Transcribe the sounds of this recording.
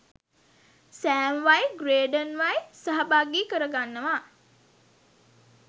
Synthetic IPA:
sæːmʋajɡreːɖənʋajsəɦɐbaːɡiːkəɾəɡanːəʋa

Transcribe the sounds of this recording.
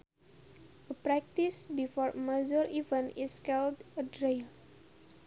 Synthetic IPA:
əpɹɛk̚tisbifɔɹmad͡ʒəɹivə̃niskɛldədɹel

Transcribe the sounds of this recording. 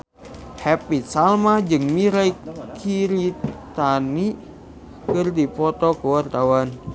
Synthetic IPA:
hɛpit̪salmad͡ʒɨŋmiɾajkʰiɾit̪ani | kɨrdipɔt̪ɔkəwart̪awan

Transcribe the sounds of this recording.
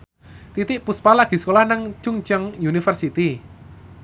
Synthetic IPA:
t̪it̪ɪʔpuspalaɡ̥i̤skolahnaŋt͡ʃuŋt͡ʃəŋjunifərsit̪i

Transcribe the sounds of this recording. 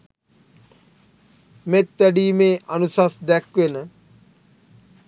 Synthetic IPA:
met̪ʋæɖiːmeːʔanusasd̪ɛkʋenə

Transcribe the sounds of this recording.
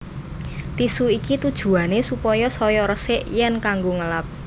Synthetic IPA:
t̪isuikit̪ud̥ʒ̥ṳanesupɔjɔsɔjɔɾəsɪʔjɛnkaŋɡoŋəlap̚

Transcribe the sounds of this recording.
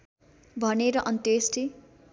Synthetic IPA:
bʱʌneɾʌʔʌnt̪esʈi

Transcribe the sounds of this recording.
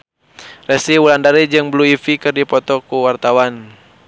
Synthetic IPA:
rɛsiwulandaɾid͡ʒɨŋbluifikɨrdipɔt̪ɔkuwart̪awan

